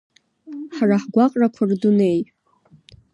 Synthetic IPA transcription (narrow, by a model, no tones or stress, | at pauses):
ħaraħɡʷaqʼrakʷʰardune̞j